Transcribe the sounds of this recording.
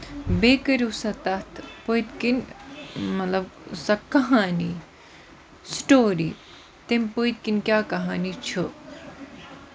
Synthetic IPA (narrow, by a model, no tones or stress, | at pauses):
beːkɐɾusɐt̪ɐt̪ʰpoit̪kin | mɐt̪lɐbsɐkɐɦaːni | sʈoːɾḭː | t̪empojt̪̚kinkʲjaːkɐɦaːnit͡ʃʰu